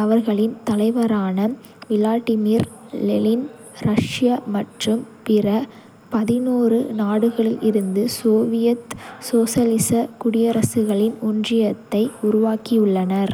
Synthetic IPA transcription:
ɐʋɐɾɣɐɭɪnt̪ɐlɐɪʋɐɾaːnɐ | ʋɪlaːʈːɪmiːɾlɛlɪn | ɾɐʂɪjamɐʈrɯmpɪɾɐ | pɐðɪnuːrɯnaːɽɯɣɐɭɪlʔɪɾɯnd̪ɯsoːʋɪjɐt̪soːsɐlɪsɐkʊɽɪjɐɾɐsɯɣɐɭɪnʊndrɪjɐt̪ːɐɪʊɾʊʋaːkiʊɭːɐnɐɾ

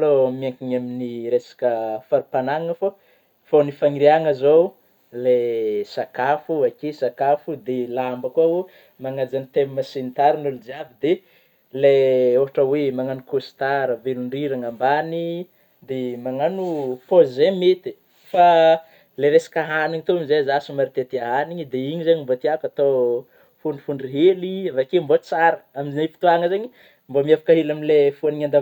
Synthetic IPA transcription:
lomiaŋkiŋaminiɾesḁkəfaɾipanaŋŋəfo | fonifaŋiɾiaŋəzow | lesakafuakesakafud̪elambəkuau | maŋad͡zanit̪emmasinit̪aɾinulud͡ʒavid̪e | leoɦaʈ͡ʂəwemaŋanukusi̥t̪aɾəveluɳɖ͡ʐiɾaŋambani | d̪emaŋanufozemet̪i | fa | leɾesḁkaɦaniɲit̪oamizeazasumaɾit̪et̪iaɦaniɲid̪eiɲizaɲimbot̪iakat̪o | fuɳɖ͡ʐifuɳɖ͡ʐiɦeliavakembot͡saɾə̥aminefi̥t̪uaŋəzeɲi | mbomiafḁkaɦelamilefuaniɲand̪a

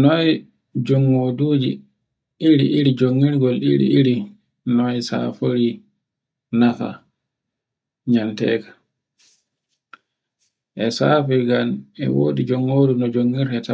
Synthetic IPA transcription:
nɔj | d͡ʒɔŋːoduːd͡ʒḭ | iɾḭʔiɾid͡ʒoŋːiɾɡɔlḭɾḭiɾi | nɔjsa̰foɾi | nafa̰ | ɲantɛ̰ːkḁ | ʔɛsaːfɛɡanɛ̰wo̰ːdid͡ʒɔŋːoːdunɔd͡ʒoŋːiɾɛta

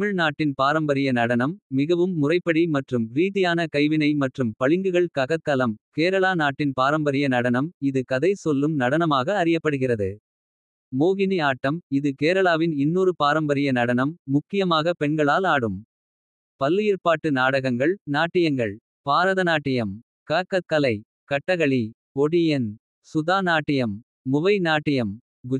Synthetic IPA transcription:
t̪mɪɻnaːʈːɪnpaːɾɐmbɐɾɪjɐnɐɽɐnɐmːɪɣɐʋɯmːʊrɐɪpːɐɽimɐʈrɯmɾiːðɪjaːnɐkɐɪʋɪnɐɪmɐʈrɯmpɐɭɪŋɡɯɣɐɭkɐɣɐt̪ːɐlɐmkeːɾɐɭaːnaːʈːɪnpaːɾɐmbɐɾɪjɐnɐɽɐnɐmɪðɯkɐðɐɪsɔlːɯmnɐɽɐnɐmaːɣɐːɾɪjɐpːɐɽɯɣɪrɐðɯ | moːɣɪniaːʈːɐmɪðɯkeːɾɐlaːʋɪnɪnːuːɾɯpaːɾɐmbɐɾɪjɐnɐɽɐnɐmːʊkːɪjɐmaːɣɐpɛɳɡɐɭaːlaːɽɯm | pɐlːjɪːɾpaːʈːɯnaːɽɐɣɐŋɡɐɭnaːʈːɪjɐŋɡɐɭ | paːɾɐðɐnaːʈːɪjɐm | kaːkːɐkːɐlɐɪ | kɐʈːɐɣɐɭi | ɔɽɪjɐn | sʊðaːnaːʈːɪjɐmː | ʊʋɐɪnaːʈːɪjɐm | ɡʊ

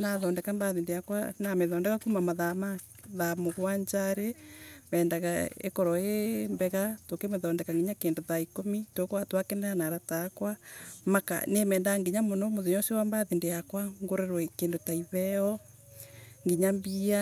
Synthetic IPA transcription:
naðɔːndɛkambaðindejakwa̰nameðɔndɛkakumamaðama | ðamoɣwaɲd͡ʒaɾeβɛːndaɣa̰ḛkɔɾɔembɛɣatokemeðɔːndɛkaŋɡeɲakeːndoðaikomitokowatwakenanaɾatakwamaka̰nemɛːndaŋɡiɲamonɔmoðeɲɔsewambaðindejakwaŋɡoɾeɾwɔekendotaiβɛɔ | ŋɡiɲambia

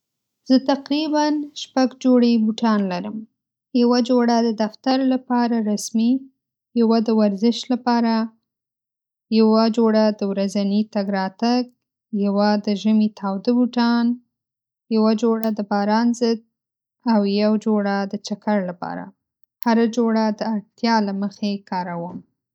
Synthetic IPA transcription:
z̥ət̪aqɾibanʃpaɡd͡ʒoɽebuʈɑnlaɾəm | jawad͡ʒoɽad̪əd̪aft̪aɾlapɑɾaɾasmi | jawad̪əwaɾzɪʃlapɑɾa | jawad͡ʒoɽad̪əwɾazanit̪aɡɾɑt̪aɡ | jawad̪əʒəmit̪ʰɑwd̪əbuʈɑn | jawad͡ʒoɽad̪əbɑɾɑnzəd̪̚ | awjawd͡ʒoɽad̪ət͡ʃakaɽlapɑ̰ɾa̰ | haɾad͡ʒoɽad̪əaɽt̪jɑlaməxekɑɾawəm

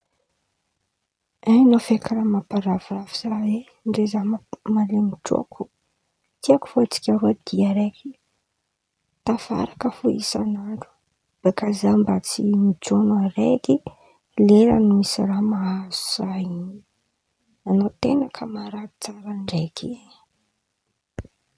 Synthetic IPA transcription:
anofekʰaɾamapaɾaviraviz̥awe | ɳɖ͡ʐezamalemiʈ͡ʂo̰kʰu̥ | t̪iaku̥foat͡si̥kʲaɾoad̪̥iaɾeki̥ | t̪afa̰ɾakəfuḭsanaɳɖ͡ʐu̥ | b̥ekazambat͡simid͡ʒonareki | leɾa̰numisiramaaz̥u̥z̥ajini | anot̪enakʰəmaɾai̥t͡saɾaɳɖ͡ʐekʰi

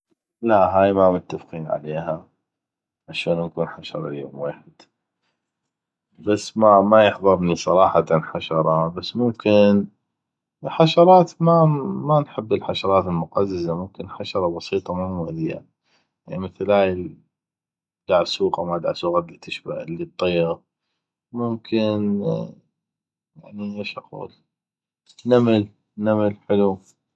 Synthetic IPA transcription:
laʔɦaːjmamʊt̪ːafqiːnʕa̰leːɦa | ʕaʃaːnnkuːnħaʃɑ̰ɾˤɑ̰ljo̰ːmweːħɪd̪̥ | basːmamajəħðˤɨɾˤnisˤɑɾˤɑːħɑt̪anħaʃɑɾˤɑbasːmʊmkɪn | lħaʃɑɾˤɑːt̪mamanħɪbːɪlħaʃɑɾˤɑːt̪əlmʊqɑzːazamʊmkɪnħaʃɑɾˤɑbɑsiːt̪ˤɑmumʊðɪja̰ | animɪθlaːj | d̪aʕsuːɣamad̪ʕaʕsuːɣad̪it̪ʰːɪʃba̰ʔəlːit̪ˤːiːɣ | mʊmkʰɪn | jaʕniʔɪʃʔaqṵːl | namal | namalħɪlu

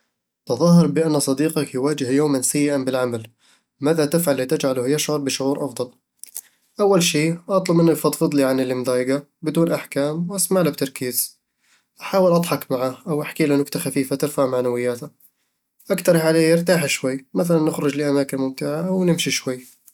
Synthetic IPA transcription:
t̪ɑðˤɑɦɑɾˤbɪʔanːsˤɑd̪iːqɑkjwaːd͡ʒɪhjoːmansajːɪʔanbɪlʕamal | maːðat̪ɪfʕalːit̪ɪd͡ʒʕalʊhjaʃʕʊɾˤbɪʃʊʕuːɾʔɑfd̪ˤɑl | ʔawːalʃiːʔɑt̪ˤlʊbmʔɪnːajfɑt̪ˤfɨd̪ˤliʕanɪlːɪmd̪ɑːjɡa | bɪd̪uːnʔaħkaːmwʔasmaʕlab̚t̪ɑɾˤkiːz̥ | ʔaħaːwɪlʔɑd̪ˤħɑkmaʕaːhʔawʔaħkiːlanʊkt̪axafiːfat̪ɪɾfaʕmaʕnawɪjːaːt̪a | ʔakt̪ɑɾˤʕaleːjɪɾt̪aːħʃwajːmaθalanːɪxɾʊd͡ʒlɪʔamaːkɪnmʊmt̪ɪʕaʔawnɪmʃiʃwajː

